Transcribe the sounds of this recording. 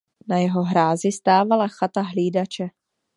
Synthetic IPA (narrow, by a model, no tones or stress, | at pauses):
najɛɦo̞ɦɾaːzɪst̪aːvalaxat̪aɦliːdat͡ʃɛ